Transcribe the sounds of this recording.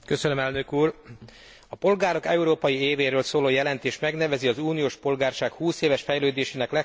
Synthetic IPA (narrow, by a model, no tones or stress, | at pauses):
kø̞sønømɛlnø̞kuːr | ɒpo̞lɡaːɾo̞kɛuɾoːpɒjieːveːɾøːlsoːloːjɛlɛnt̪eːʃt̪mɛɡnɛvɛziɒzuːnijoːʃpo̞lɡaːrʃaːkhuːseːvɛʃfɛjløːd̪eːʃeːnɛklɛ